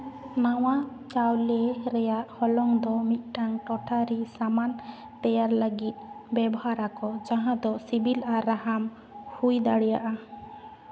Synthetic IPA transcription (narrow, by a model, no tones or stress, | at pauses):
nawa | t͡ʃawleɾɛjaʔhɔlɔŋd̪ɔmit̪̚ˀʈaŋʈɔʈʰaɾisaman | t̪ɛjaɾləɡit̪̚bɛbɔɦaɾakɔd͡ʒaɦãd̪ɔsibilaɾaɦam | hujd̪aɽɛjaʔa